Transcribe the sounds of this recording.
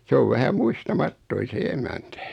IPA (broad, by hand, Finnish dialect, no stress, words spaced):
s oʋ ʋæhæ muistɑmɑtːoin̞ se emæntæ